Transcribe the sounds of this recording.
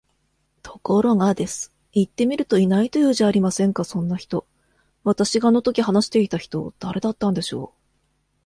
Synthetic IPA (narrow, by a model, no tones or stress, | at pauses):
t̪ʰo̞̥ko̞ɾo̞ŋad̪e̞sɨ̥ | it̪ːe̞mʲiɾɯ̟t̪o̞inait̪o̞jɯ̟ːʑaːɾʲimasẽ̞ŋkasõ̞nːaçi̥t̪o̞ | βat̪aɕiɡaːno̞t̪o̞kʲiɦanaɕi̥t̪e̞it̪açi̥t̪o̞̰d̪̥aɾe̞d̪at̪ːãnd̪e̞ɕo̞ː